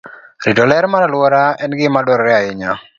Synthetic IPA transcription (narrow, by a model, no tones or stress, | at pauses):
ɾidɔlɛɾmaɾalwɔɾaɛnɡɪmadɔɾɾɛaɪɲa